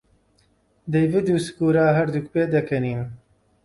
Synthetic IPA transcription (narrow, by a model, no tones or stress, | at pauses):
d̪ɐjvid̪uskuɾaːɦɐɾd̪ukpeːd̪ɐkɐniːn